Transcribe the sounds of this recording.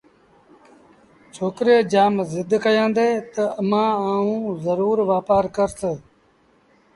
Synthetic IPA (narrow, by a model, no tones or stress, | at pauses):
t͡ʃʰoːkɾeːd͡ʒaːmzɪd̪ʱkəjãːnd̪eːt̪əəmãːaːũːzəɾuːɾʋaːpaːɾkəɾsə